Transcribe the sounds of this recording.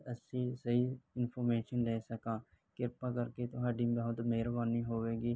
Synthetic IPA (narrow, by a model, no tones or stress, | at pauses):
əsĩːsəiːɪnpʰoːɾmeːʃənɾɛːsəkãː | kɪɾpaːkəɾkeːt̪ʊɦaːɖĩːbəɦʊt̪meːɾbaːniːɦoːʋeːɡiː